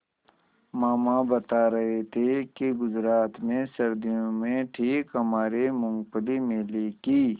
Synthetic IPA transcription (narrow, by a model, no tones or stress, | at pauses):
maːmabɐt̪aɾɐɦet̪ʰekiɡʊzɾaːt̪mẽsɐɾd̪ijõmẽʈʰiːkɦɐmaːɾemʊ̃ŋɡpəlimẽːleːkiː